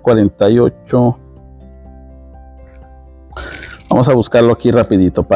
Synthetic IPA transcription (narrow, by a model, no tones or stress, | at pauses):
kwaɾent̪ajo̰t͡ʃo | b̥a̰mosaβuskaɾloakirapiðit̪opa